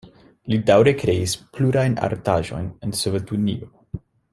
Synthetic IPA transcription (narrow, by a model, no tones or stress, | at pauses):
lidawɾe̞kɾe̞ispluɾajna̰ɾtaʒo̞̰jnensovetunḭo